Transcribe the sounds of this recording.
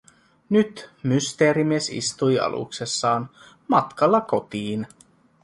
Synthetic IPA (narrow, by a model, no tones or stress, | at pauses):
nyt̪myst̪eːɾimiesḭst̪ujɑ̰lʔṵkse̞sːɑːn | mɑt̪kɑlːɑko̞t̪iːn